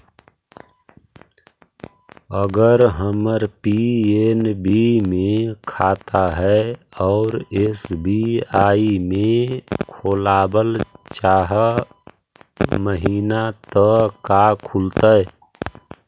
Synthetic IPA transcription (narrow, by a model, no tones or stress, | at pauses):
əɡəɾɦəməɾpienbimekʰat̪aɦɛɔʊɾesbʱiaːimekʰolaːbəlt͡ʃaːɦə | məɦiːnat̪ɔkakʰult̪ə